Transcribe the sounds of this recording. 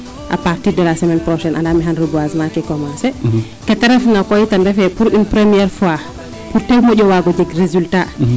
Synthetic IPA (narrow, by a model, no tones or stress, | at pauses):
ʔa̰paɾtidəlasɛmɛnpɾɔʃɛnʔa̰ndamiɦanɾəbuazmakɛkɔmansɛ | kɛtɛɾɛfnakɔjitandɛfɛpuɾinpɾɛmijɛɾfwa | puɾtɛwmɔɟɔwaɡɔd͡ʒɛɡrezylta